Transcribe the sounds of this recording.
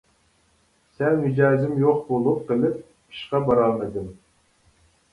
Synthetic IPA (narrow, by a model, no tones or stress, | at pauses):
sɛnhyd͡ʒɑːzɪmjoqbolˠup̚qəlˠɪp̚ | i̥ʃqɑbɑɾɑlˠmɨd̪ɨm